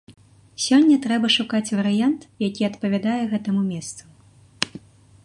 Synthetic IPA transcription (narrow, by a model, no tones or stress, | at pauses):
sʲɔnʲːɐt̪ɾɛbɐʂukat͡sʲvɐɾɨjant̪jakʲiɐt̪pɐvʲad̪ajɛɣɛt̪ɐmumʲɛst̪su